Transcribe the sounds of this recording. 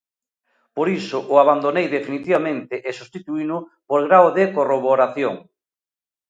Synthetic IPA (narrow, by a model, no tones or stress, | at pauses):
poɾisʊʔʊaβand̪onejðefinit̪iβamẽnt̪ɪʔesust̪it̪uinʊpoɾɣɾawðekoroβoɾaθjoŋ